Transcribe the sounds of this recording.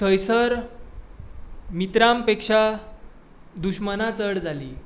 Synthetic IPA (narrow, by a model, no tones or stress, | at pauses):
t̪ʰəjsəɾ | mit̪ɾampekʂa | d̪uɕmənat͡səɽd͡zʱaliː